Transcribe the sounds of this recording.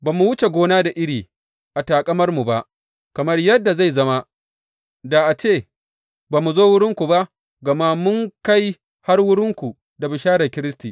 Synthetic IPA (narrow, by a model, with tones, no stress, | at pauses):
baː˨mu˨wʊ˦t͡ʃe˨ɡʷoː˦naː˦da˨ʔɪ˦ɽiː˨ | ʔa˨taː˨kʼɐ˦mɐ˦rmu˨ba˦ʔ | kɐ˨mɐ˦rjɐ˦dːa˨za˦˨jzɐ˦ma˦ | da˨ʔa˨t͡ʃeː˦˨ | baː˨mu˨zoː˦wʊ˦ɽɪ˦ŋkʷu˨ba˦ʔ | ɡɐ˨ma˦mʊ˦ŋka˦j | ha˦rwʊ˦ɽɪ˦ŋkʷu˨ | da˨bɪ˨ʃaː˦ɾɐ˨kʲɪ˦ɾɪ˦stiː˨